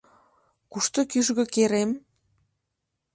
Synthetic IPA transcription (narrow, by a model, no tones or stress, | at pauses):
kuʃt̪ŏkyʒɣɤ̆keɾem